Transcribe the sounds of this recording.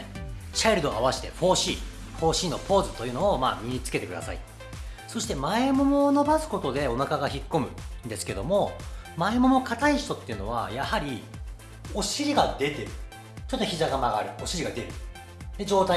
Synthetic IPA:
t͡ɕaiɾɯ̟d̪oaβaɕi̥t̪e̞ɸo̞ːɕiː | ɸo̞ːɕiːno̞pʰo̞ːzɨt̪o̞jɯ̟no̞oma̰ːmʲiɲ̟it͡sɨ̥ke̞t̪e̞kɯ̟d̪a̰sa̰ḭ | so̞ɕi̥t̪e̞maemo̞mo̞no̞basɨ̥ko̞t̪o̞d̪e̞o̞nakaɡaçikːo̞mɯ̟nd̪e̞sɨ̥ke̞d̪o̞mo̞ | maemo̞mo̞kat̪aiɕi̥t̪o̞t̪ːe̞iɯ̟no̞βa̰jahaɾʲi | o̞ɕiɾʲiɡad̪e̞t̪e̞ɾɯ̟ | t͡ɕo̞t̪ːoçizaɡamaɡa̰ɾɯ̟o̞ɕiɾʲiɡad̪e̞ɾɯ̟ | d̪e̞d͡ʑo̞ːt̪a

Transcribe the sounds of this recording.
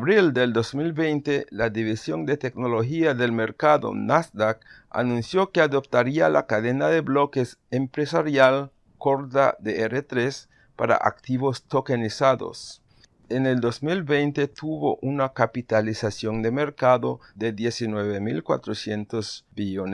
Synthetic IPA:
βɾild̪eld̪ozmilβejnt̪elaðiβisjond̪et̪eknoloxiaðelmeɾkaðo̰nasd̪ak | a̰nũnsjokeaðop̚t̪aɾia̰la̰kaðenaðeβlokesempɾesaɾjal | koɾt̪a̰ðeeɾet̪ɾes | pa̰ɾa̰ʔa̰kt̪iβost̪okenisaðo̰s | eneld̪ozmilbejnt̪et̪ʰuβoʔunakapit̪alisasjond̪eme̞ɾkaðoðeðjesinweβemḭlkwa̰t̪ɾosjent̪ozbione

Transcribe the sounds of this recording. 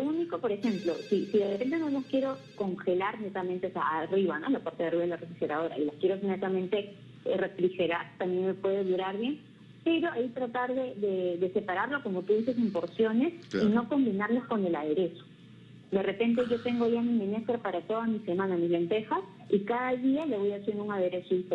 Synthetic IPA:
louniko̞po̞ɾe̞xe̞mplo̞sisiðe̞repe̞nt̪e̞nonokjeɾo̞ | ko̞ŋxe̞laɾne̞t̪amẽnt̪eosea̰ariβano̞̰lapwaɾt̪eðeariβaelarefɾixeɾað̞o̞ɾa̰ilaskjeɾone̞t̪amẽ̞nt̪e̞ | refɾixe̞ɾaɾt̪amjenmepwe̞ðeðuɾaɾβje̞n | pe̞ɾo̞ait̪ɾat̪aɾðe̞ðe̞ðe̞se̞paɾaɾloko̞mot̪uðise̞simpo̞ɾsjo̞ne̞sino̞ko̞mbinaɾlasko̞ne̞laðe̞ɾe̞so̥ | d̪e̞re̞pe̞nt̪e̞ʝo̞t̪e̞ŋɡo̞ʝamiminest̪ɾapaɾat̪o̞ð̞amise̞mãnamizle̞nt̪e̞xas | ikaðaðiale̞βo̞jasjend̪uŋaðe̞ɾe̞soip

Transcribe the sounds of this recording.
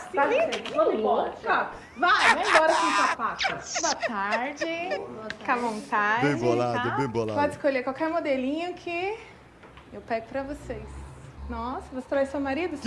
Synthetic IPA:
aĩeokɐ | vaj̃bɔɾɐsĩtapatɐsboɐt̪aɾd͡ʒɪkavõnt̪ad͡ʒẽbolad̪ẽboapɔd͡ʒɪskoʎeɾkwawkɛɾmod̪elĩɲʊkʰɪ | ewpɛɡʊpɾɐvosesnɔsɐvose̥t̪ɾajsõmaɾid̪ʊ

